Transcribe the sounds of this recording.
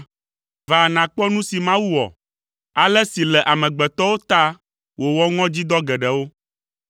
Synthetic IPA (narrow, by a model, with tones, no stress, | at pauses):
va˨nã˨k͡pɔ˦nũ˦si˨mã˦wu˦wɔ̰˨ | a˨lɛ˦si˨lɛ˨ʔa˨mɛ̃˨ɡ͡bɛ˨t̪ɔ˦wo˦t̪a˦ | wʔo˨wɔ˦ŋɔ̃˦d͡ʑi˦d̪ɔ˦ɡɛ˨ɖɛ˨wo˦